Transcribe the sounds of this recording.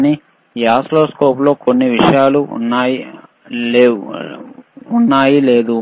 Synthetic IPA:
ni | jaːsloːskoːplo̞ːkonːiʋiʂɐjaːlṵnːaːji | lː | unːaːjile̞ːd̪u

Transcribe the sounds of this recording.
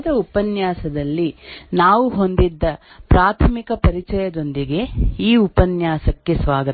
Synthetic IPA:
d̪ɐupɐnjaːsɐd̪ɐlːinaːʋuɦo̞nd̪id̪ːɐ | pɾaːt̪ʰɐmikɐpɐɾit͡ʃɐjɐd̪o̞nd̪iɡe̞iːupɐnjaːsɐkːesʋaːɡɐ

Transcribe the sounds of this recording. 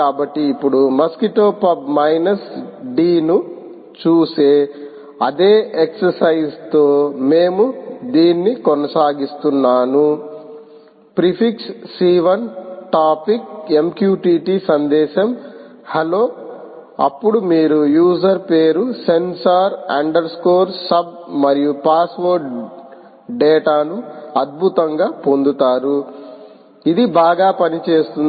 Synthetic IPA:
aːbɐʈːiːpːuɽumɐskiʈoːpɐbmɐjnɐsɖiːnu | t͡ʃuːseː | ɐd̪e̞ːeksɐɾsɐjst̪o̞ːmeːmud̪iːnːikonɐsaːɡist̪unːaːnu | pɾipʰiksːiːʋɐnʈaːpike̞mkjuːʈiːʈisɐnd̪ɛːʃɐm | hɐloː | ɐ̰pːuɽumiːɾujuːzɐɾpe̞ːɾuse̞nsaɾɐ̰ɳɖɐɾskoːɾsɐb̚mɐɾijupaːsʋoɾɖ | ɖɛːʈaːnuɐd̪̚bʱut̪ɐŋɡaːpo̞nd̪ut̪aːɾu | id̪ibaːɡaːpɐnit͡ʃe̞ːst̪un

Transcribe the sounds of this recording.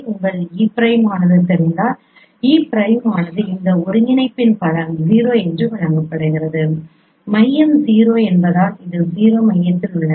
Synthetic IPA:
ʊŋɡɐɭiːpɪɾɐɪmaːnɐðɯt̪ɛɾɯnd̪aːl | iːpɪɾɐɪmaːnɐðɯɪnd̪ɐɔɾɯŋɪnɐɪpːɪnpɐlɐmziːɾoːɛndrɯʋɪnɐŋɡɐpːɐɽɐɪɣɪɾɐðɯ | mɐjːɐmziːɾoːɛnbɐðaːlɪðɯziːɾoːmɐjːɐt̪ːɪlʋɪɭːɐ

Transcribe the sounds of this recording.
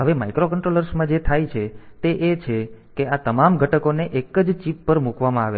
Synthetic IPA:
ɦəʋemaikɾokəɳʈɾoləɾsmãd͡ʒet̪ʰajt͡ʃʰet̪eʔet͡ʃʰekeat̪əmamɡʱəʈəkoneʔekəd͡ʒt͡ʃipːəɾmukʋamãaʋḛ

